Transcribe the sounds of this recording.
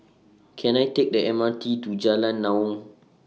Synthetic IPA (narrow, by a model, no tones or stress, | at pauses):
kʰɛnajtɛk̚ɗɛʔɛmantitud͡ʒalanːawɔŋ